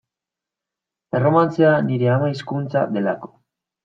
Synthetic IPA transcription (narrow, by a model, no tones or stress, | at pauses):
e̞ro̞mant͡seaniɾe̞amaiskunt͡sa̰d̪e̞la̰ko̞̥